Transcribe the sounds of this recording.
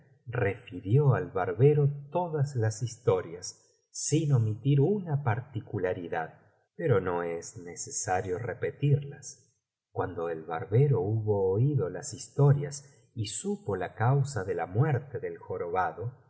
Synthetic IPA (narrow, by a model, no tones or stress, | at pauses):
re̞fiɾjo̞alβaɾβeɾo̞t̪o̞ðazlasist̪o̞ɾjasː | inomit̪iɾunapaɾt̪ikulaɾiðað | pe̞ɾo̞no̞eznesesaɾjo̞repe̞t̪iɾlas | kwand̪o̞elβa̰ɾβeɾo̞uβoːiðo̞lasist̪o̞ɾjas | isupo̞lakawsaðe̞lamweɾt̪eðelxo̞ɾoβaðo̞